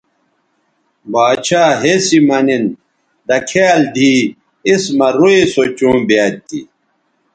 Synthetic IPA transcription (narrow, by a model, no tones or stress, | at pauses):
baːɕʰaːɦesimɐnin | d̪ɐkʰeːld̪ʱiː | ismɐɾuesot͡ɕũːbjaːt̪ːḭ